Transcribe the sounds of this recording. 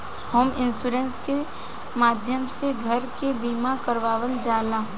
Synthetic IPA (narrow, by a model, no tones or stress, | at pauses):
həmɪ̃nsuːɾẽnske | maːd̪ʱjəmseɡʱəɾkebiːmakəɾʋaːʋəld͡ʒaːlãː